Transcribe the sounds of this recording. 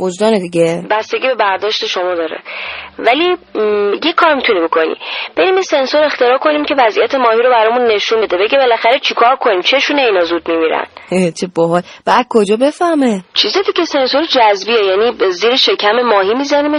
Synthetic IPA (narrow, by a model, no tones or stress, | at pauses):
bod͡ʒd̪ɒːned̪iɡʲebæst̪e̞ɡʲiːbe̞bæɾd̪ɒːʃt̪e̞ʃo̞mɒːd̪ɒːɾḛvælijekʰːɒːɾmit̪ʰunibo̞kʰo̞nḭb̥e̞ɾiːmjese̞nsoɾe̞xt̪e̞ɾɒːkʰo̞nimcʰe̞væzʔijæt̪ʰemɒːhiɾobæɾɒːmunːe̞ʃunbe̞d̪ebe̞ɡebelæxæɾet͡ʃʰikʰɒːɾkʰo̞niːmt͡ʃʰe̞ʃuneinɒzuːd̪̚mimiɾæ̰net͡ʃʰeboɦɒlb̥æːd̪̚kʰod͡ʒɒːbe̞fæhmet͡ʃʰizɒd̪icese̞nsoɾed͡ʒæzbiejæniːziːɾeʃe̞cʰæme̞mɒːɦiːmizænime